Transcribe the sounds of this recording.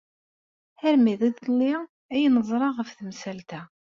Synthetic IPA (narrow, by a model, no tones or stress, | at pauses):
hæɾmiðiðlːi | æjnəzˤɾˤɑʁəfθəmsælt̪æ